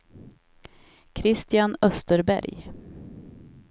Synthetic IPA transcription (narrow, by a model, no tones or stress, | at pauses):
kʰɾɪst̪ɪanœst̪əɾbæ̰ɾj